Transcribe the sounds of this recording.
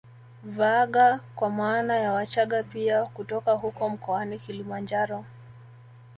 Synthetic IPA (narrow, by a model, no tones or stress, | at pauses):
vaɠakwamaːnajawat͡ʃaɠapiakutɔkahukɔm̩kɔanikilimand͡ʒaɾɔ